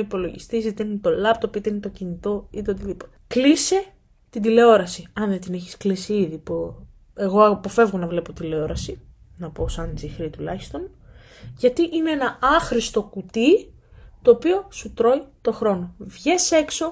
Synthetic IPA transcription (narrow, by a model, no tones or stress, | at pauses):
ipo̞lo̞ʝḭst̪isit̪enit̪o̞lɐpt̪opit̪enit̪o̞cinit̪o̞it̪eot̪̬iðipot̪eklise | t̪id̪ile̞o̞ɾɐsiɐnðet̪ineçi̥sklisiiðipu | e̞ɣo̞ɐpo̞fe̞vɣo̞nɐvle̞pot̪ileo̞ɾɐsi | nɐpo̞sɐnd͡zixɾit̪ulɐçi̥st̪o̞n | ʝɐt̪iʔineenɐɐxɾist̪o̞kut̪i | t̪o̞ːpio̞sut̪ɾo̞it̪o̞xɾo̞no̞vʝese̞kso̞